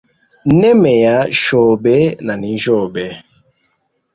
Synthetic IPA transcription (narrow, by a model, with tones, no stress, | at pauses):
nɛ˦mɛ˨ja˨˦ʃɔ˨be˦na˨ni˨˦ʒɔ˦˨bɛ˨˦